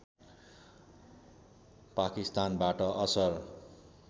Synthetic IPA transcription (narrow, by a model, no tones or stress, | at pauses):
pakist̪anbaʈʌʔʌsʌr